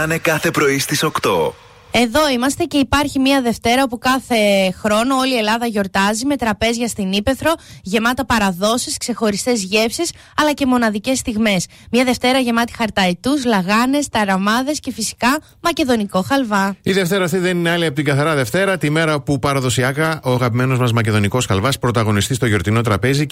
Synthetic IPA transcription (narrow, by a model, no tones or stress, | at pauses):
ɐnekɐθe̞pɾo̞ist̪iso̞kt̪o̞̰ | e̞ðo̞imɐst̪e̞ce̞ipɐɾçimɐðe̞ft̪e̞ɾɐopukɐθe̞xɾo̞no̞olie̞lɐðɐʝo̞ɾt̪ɐzime̞t̪ɾɐpe̞zʝɐst̪inipe̞θɾo̞ʝe̞mɐt̪ɐpɐɾɐðo̞siskse̞xo̞ɾist̪e̞zʝe̞fsis | ɐlɐce̞mo̞nɐðice̞st̪iɣme̞s | mɲɐðe̞ft̪e̞ɾɐʝe̞mɐt̪i̥xɐɾt̪ɐit̪uzlɐɣɐne̞st̪ɐɾɐmɐðe̞sce̞fisi̥kɐ | mɐce̞ðo̞niko̞xɐlvɐiðe̞ft̪e̞ɾɐːft̪iðe̞nineɐliɐpot̪iŋɡɐθɐɾɐðe̞ft̪e̞ɾɐt̪ime̞ɾɐpupɐɾɐðo̞siɐkɐʔo̞ɐɣɐpime̞no̞zmɐzmɐce̞ðo̞niko̞sxɐlvɐspɾo̞t̪ɐɣo̞nist̪ist̪o̞ʝo̞ɾt̪ino̞t̪ɾɐpe̞zi